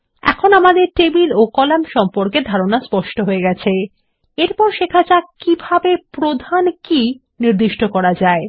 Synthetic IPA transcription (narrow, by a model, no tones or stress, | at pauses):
ɛ̰kʰonamad̪eɾʈebilokɔlamʃɔmpoɾked̪ʱaɾonaspɔʃʈoɦoeɡɛt͡ɕʰe | eɾpɔɾʃekʰat͡ɕakibʱabepɾod̪ʱanki | niɾd̪iʃʈokɔɾad͡ʑae